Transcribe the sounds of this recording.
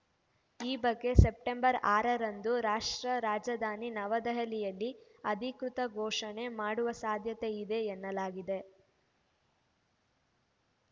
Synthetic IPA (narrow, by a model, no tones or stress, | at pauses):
iːbɐɡːe̞se̞p̚ʈembɐɾaːɾɐɾɐnd̪uɾaːʂʈɾɐɾaːd͡ʒɐd̪ʱaːninɐʋɐd̪ɐɦɐlijɐlːi | ɐd̪ʱikɾut̪ɐɡʱɔːʂɐne̞maːɽuʋɐsaːd̪ʱjɐt̪e̞id̪e̞ːnːɐlaːɡid̪e̞